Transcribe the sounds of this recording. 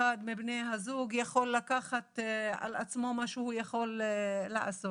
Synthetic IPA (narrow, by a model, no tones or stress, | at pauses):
ad̪mibnejɦazuɡjaχo̞lːakaχat̪a̰la̰t͡smo̞maʃehujaχo̞lːa̰ʕa̰so